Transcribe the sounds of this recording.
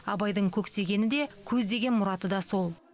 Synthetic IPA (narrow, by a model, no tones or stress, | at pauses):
ɑbɑjd̪əɴkʲʰɵkse̞ɡʲe̞nɪd̪e̞kʲʰɵzd̪e̞ɡʲe̞nmʊɾɑt̪əd̪ɑso̞lˠ